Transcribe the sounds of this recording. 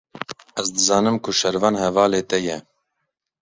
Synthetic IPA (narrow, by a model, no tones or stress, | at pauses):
ɛzd̪ɨzɑːnɨmkʰʊʃɛɾvɑːnhɛvɑːleːt̪ɛjɛ